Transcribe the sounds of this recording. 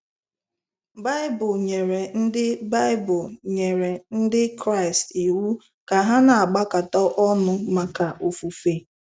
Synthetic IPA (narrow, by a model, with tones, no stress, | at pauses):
ba˦ɪ˦bʊ˨ɲe˨ɾe˨n̩˦dɪ˦ba˦ɪ˦bʊ˨lɲe˨ɾe˨n̩˦dɪ˦kɾa˦ɪ˨sti˨wu˦ | ka˨ɦa˦na˨a˨ɡ͡ba˦ka˨tɔ˦ʔɔ˦nʊ˦ma˨ka˨ʔo˨fu˨fe˨